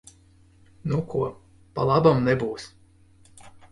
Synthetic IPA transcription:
nukuɔ | palˠabamnɛbuːs

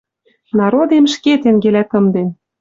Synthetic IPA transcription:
nɑɾod̪emʃket̪eŋɡelæk̪ɤ̆md̪en

